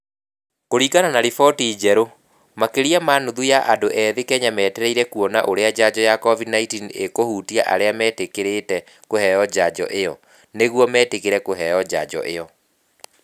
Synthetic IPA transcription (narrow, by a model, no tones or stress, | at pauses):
koɾiːkananaɾifɔtiːd͡ʑɛɾo | makeɾiamaːnoðujaʔadoʔɛːðekɛɲamɛːtɛɾɛiɾɛkuɔnaʔoɾead͡ʑad͡ʑɔjakɔvidnaitiːnekohuːtiaʔa̰ɾeamɛːtekeɾetɛ | kohɛjɔd͡ʑad͡ʑɔ̰ʔejɔ | neɣwɔmɛːtekeɾɛkoɦɛɔd͡ʑa̰d͡ʑɔ̰ʔejɔ